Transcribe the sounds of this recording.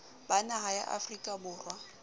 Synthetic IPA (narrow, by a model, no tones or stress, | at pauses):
banaɦaja̰ʔa̰frikʼabʊːrwa